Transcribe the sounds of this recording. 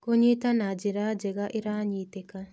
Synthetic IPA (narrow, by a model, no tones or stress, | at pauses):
koɲit̪anad͡ʒiɾad͡ʒɛɡaʔiɾaɲit̪eka